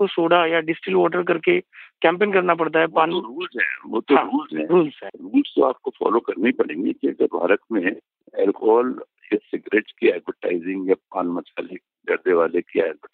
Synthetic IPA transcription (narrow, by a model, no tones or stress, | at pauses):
kosoːɽajaɖɪsʈɪlʋɔːʈəɾk̬ɐɾkekɛ̃ːmpeːnkɐɾnap̬ɐɽt̪̬aɦɛʋãːnoɾuːlzɦɛ̰̃ːʋot̪oãːɾuːlzɦɛ̃ːɾuːlzɛ̃ːɾuːlzt̪o̰aːp̚kofɔ̰ːlokɐɾnaɦĩpɐɽẽːŋɡikiɐɡəɾbʱa̰ːɾət̪mẽ | ɛːlkɔːl | jesɪɡɾeːʈskiɛːɖʋəʈaːɪzɪ̃ŋɡjap̚aːnmɐt͡ʃaːlek | d̪ɐɾd̪eʋaːlekia̰